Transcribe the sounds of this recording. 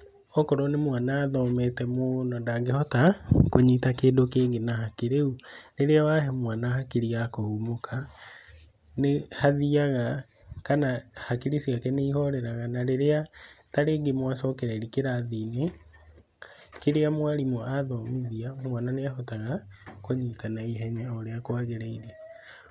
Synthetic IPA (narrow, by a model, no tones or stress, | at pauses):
ɔkɔɾɔnemwanaːðɔmɛtɛmonɔdaŋɡehɔtakoɲitakeːndokeːɡenahakeɾeuneɾeawaɦɛmwanahakeɾiɣakohumokʰa | nehaðiaɣa | kanahakeɾisiakɛneihɔɾɛɾaɣanaɾeɾeataɾeːɡemwasɔːkɛɾaeɾikeɾaðine | keɾeamwaɾimɔaðɔmiðiamwananeahɔtaɣakoɲitanaiɦɛɲaoɾeakwaɣeɾaiɾe